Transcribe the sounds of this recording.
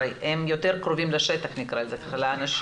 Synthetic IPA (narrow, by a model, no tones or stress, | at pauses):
jhemjo̞t̪eʁkʁo̞vimlaʃet̪aχnikʁalzet̪χalaːnaʃ